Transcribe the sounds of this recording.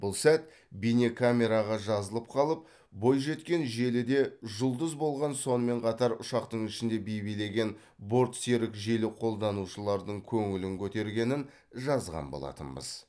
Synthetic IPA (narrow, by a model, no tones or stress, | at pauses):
b̥ʊlˠsæt̪ | bijnʲe̞kʰamʲe̞ɾɑʁɑʒɑzəlˠəp̚qʰɑlˠəp̚ | bo̞jʒe̞t̪kʲe̞nʒe̞lɪd̪e̞ʒʊlˠd̪əzbo̞lˠʁɑnso̞nəme̞ɴqʰɑt̪ɑɾʊʃɑqt̪əɴɪʃɪnd̪e̞bejbijle̞ɡʲe̞n | bo̞ɾt̪seɾɪkʒelɪqʰo̞lˠd̪ɑnuʃəlˠɑɾd̪əɴkʲʰɵŋɪlɪŋkʲʰɵt̪e̞ɾɡʲe̞nɪn | ʒɑzʁɑ̰nbo̰lˠɑ̰t̪ə̰nbə̰z̥